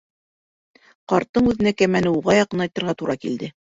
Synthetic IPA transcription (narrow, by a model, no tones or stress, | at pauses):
qɑɾt̪ːɤɴʉðɘ̆nækæmænɘuʁɑjɑqɤnɑjt̪ɤ̆ɾʁɑt̪uɾɑkild̪ɘ